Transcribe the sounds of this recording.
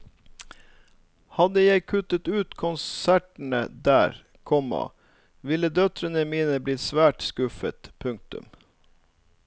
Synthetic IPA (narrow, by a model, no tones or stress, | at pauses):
hɑd̪əjæɪkʰʉt̪ət̪ʉːt̪kʰʊnsæʈɳ̩ə̰d̪æːɾ | kʰɔmɑ̰ | ʋɪləd̪œt̪ɾənəmiːnəblɪt̪sʋæːʈskʉfə̰t̪pʰʉŋk̚t̪ʉ̰m